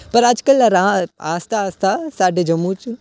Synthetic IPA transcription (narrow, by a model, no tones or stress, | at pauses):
pɐɾaːd͡ʒkɐlɐɾãːa̰ːst̪ʰaaːst̪asaːɖed͡ʒɐmːut͡ʃ